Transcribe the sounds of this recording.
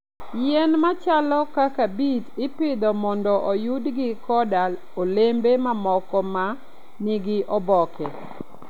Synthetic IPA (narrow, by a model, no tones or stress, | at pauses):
jɛnmat͡ʃalɔkakabitɪpɪd̪ɔmɔndɔʔojudɡɪkɔdal | olembemamɔkɔma | nɪɡɪʔɔbɔkɛ